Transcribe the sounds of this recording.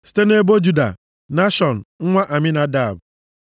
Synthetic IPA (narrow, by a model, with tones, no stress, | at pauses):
si̥˨te˦ne˦bo˦d͡ʒu˦da̰˨ | na˦ʃɔ˨n̩˨ŋ̩˦ŋʷa˦ʔa˨mɪ˦na˨da˨b